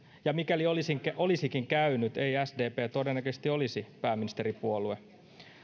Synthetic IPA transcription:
jɑmikæliolisiŋkʔo̞lisikiŋkæynyt̪e̞jæsde̞ːpeːt̪o̞denːækøsest̪io̞lisipæːmːinist̪e̞ɾipuolue̞

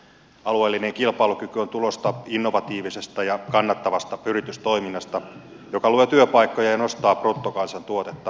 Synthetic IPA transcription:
ɑlue̞ːlːineŋkilpɑilukykyo̞nt̪ulo̞st̪ɑinːo̞ʋɑt̪iːʋisest̪ɑjɑkɑnːɑt̪ːɑʋɑst̪ɑyrit̪yst̪o̞iminːɑst̪ɑ | jo̞kɑluet̪yøpɑikːojɑjɑno̞st̪ɑːprut̪ːokɑnsɑnt̪uot̪et̪ːɑ

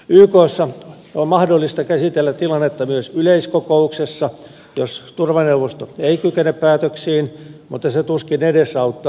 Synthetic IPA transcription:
yːkoːsːɑ | ommɑhdolːist̪ɑkæsit̪elːæt̪t̪ilɑnːet̪ːɑmyøsyleiskokouksesːɑ | jost̪urʋɑneuʋost̪oeikykeneppæːt̪øksiːnmut̪ːɑset̪uskinedesɑut̪ːɑ

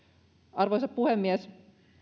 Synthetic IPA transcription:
ɑrʋoˑisɑppuhemːiæs

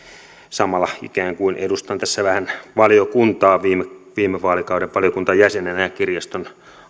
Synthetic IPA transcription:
sɑmɑlːɑḭkæːŋkuinʔedust̪ɑnt̪æsːæʋæhænʋɑljokunt̪ɑːʋiːmeʋiːmeʋɑːlikɑuɾeʋʋɑlijokunt̪ɑjæsenenæjækirjɑst̪on

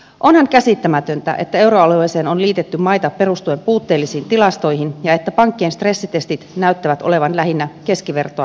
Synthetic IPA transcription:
ʔo̞nhɑŋkæsit̪ːæmæt̪ø̞nt̪æ̰ʔe̞̰t̪ːæe̞wɾoɑluojse̞ːnonliːt̪et̪ːymɑjt̪ɑpe̞ɾust̪ue̞mpuːt̪ːeːlːisiːnt̪ilɑst̪o̞jɦinjɑe̞t̪ːæpɑŋkːeeːnst̪re̞sːit̪e̞st̪it̪næyt̪ːæʋæt̪ʔole̞ʋɑnlæɦinːæke̞skiʋe̞rt̪oɑ

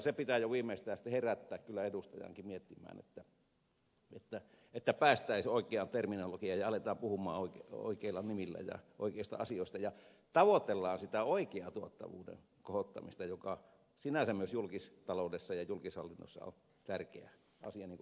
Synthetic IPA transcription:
sepit̪æjoʋiːmeist̪æːsi̥t̪ːˑeheræt̪ːæːkkylːæedust̪ɑjɑ̰ŋkimiet̪ːimˑæ̰ːnḛt̪ːæ | et̪ːæ | et̪ːæpæːst̪æˑisoˑikˑeɑnt̪erminolokiɑjɑɑlet̪ɑːmpuhumˑɑ̰ːoiko̰ikeilːɑnimilːæ̰jɑ̰ʔo̰ˑikeˑist̪ɑ̰ɑsioˑest̪ɑjɑ | t̪ɑʋot̪elːɑːnsit̪æoˑikeɑt̪uot̪ːɑ̰ʋṵːdḛn | kohot̪ːɑmist̪ɑjokɑ | sinæsæmmyøsjulkist̪ɑloˑudesːɑjɑjulkishɑlːinːo̰sːɑ̰o̰n | t̪ærkḛæ̰ | ɑ̰siɑniːŋku

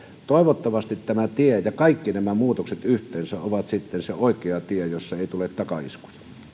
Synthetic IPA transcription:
t̪oˑeʋot̪ːɑʋɑst̪it̪t̪æmæt̪iejɑkɑˑikːinæmæmuːt̪okset̪yht̪ˑeːnsæʔoʋɑt̪sit̪ːenseoˑekˑeɑt̪iejosːɑeˑit̪ulet̪tɑkɑḭsku̥jɑ̥

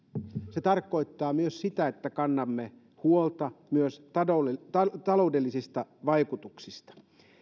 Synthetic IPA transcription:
set̪ɑrkːˑo̞it̪ːɑːmyøssit̪æet̪ːækɑnːɑmːe | huolt̪ɑmyøsot̪ɑloudelːisist̪ɑʋɑikut̪uksist̪ɑ̥

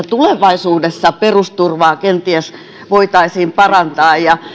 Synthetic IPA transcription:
t̪uleʋɑisuːdesːɑperust̪urʋɑːkent̪iæs | ʋoit̪ɑisiːmpɑrɑnt̪ɑːjjɑ

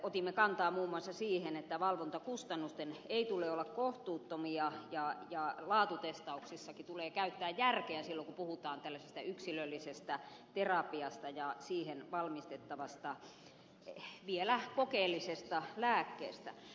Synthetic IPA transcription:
ot̪imːekɑnt̪ɑːmuːmːuɑsːɑsiːhenet̪ːæʋɑlʋont̪ɑkust̪ɑnːust̪eneit̪uleolːɑkkoht̪uːt̪ːomiɑjɑjɑlɑːt̪ut̪est̪ɑuksisːɑkit̪uleːkæyt̪ːæːjjærkeæsilːokupuhut̪ɑːnt̪ælːæsest̪æyksilølːisest̪æt̪erɑpiɑst̪ɑjɑsiːhenʋɑlmist̪et̪ːɑʋɑst̪ɑ | ʋielækokeːlːisest̪ɑlæːkːḛːst̪æ̰

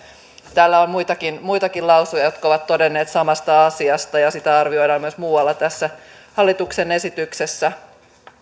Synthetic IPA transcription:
t̪æːlːæommujt̪ɑkinmujt̪ɑkilɑwsujɑjo̞t̪kɑoʋɑt̪t̪ːo̞denːeːt̪sɑmɑst̪ɑɑsiɑst̪ɑjɑsit̪æɑrʋio̞jɾɑːmyøsmuːwɑlːɑt̪æsːæ | hɑlːit̪ukse̞ne̞sit̪ykse̞sːæ

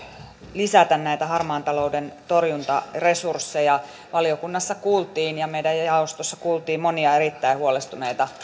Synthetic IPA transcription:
lisæt̪ænnæit̪æhɑrmɑːnt̪ɑloudent̪orjunt̪ɑresursːejɑ | ʋɑliokunːɑsːɑkuːlt̪iːnjɑmeidæjjɑost̪osːɑkuːlt̪iːmmoniɑeɾit̪ːæihuolest̪uneit̪ɑ

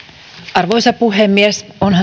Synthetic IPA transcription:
ɑrʋojsɑpuɦemːiesonɦɑ

